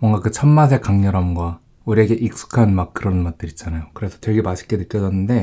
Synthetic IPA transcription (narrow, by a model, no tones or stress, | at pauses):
mwʌŋɡakɯt͡ɕʰʌmːas̬ʰe̞kaŋɲʌɾamɡwa | uɾieɡe̞ʔik̚s͈u̥kʰanmak̚k͈ɯɾʌnmʌt̚t͈ɯɾit͡ɕ͈anajokɯɾe̞sʰʌtʌɭɡimaɕʰi̥k͈edɯtk͈jʌd͡ʑʌnːɯnde̞